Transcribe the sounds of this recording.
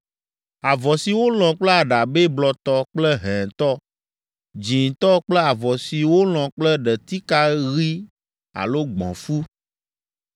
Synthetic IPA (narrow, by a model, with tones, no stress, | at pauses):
a˨vɔ˨si˨wo˦l̃ɔ̃˨k͡plɛ˦a˨ɖa˨be˦blɔ˨t̪ɔ˦k͡plɛ˦ɦɛ̃˨t̪ɔ˦ | d͡ʒĩ˨n˨t̪ɔ˦k͡plɛ˦a˨vɔ˨si˨wo˦l̃ɔ̃˨k͡plɛ˦ɖɛ˨t̪i˦ka˦ɣi˦ | a̰˨lo˦ɡ͡bɔ̰̃˨fu˦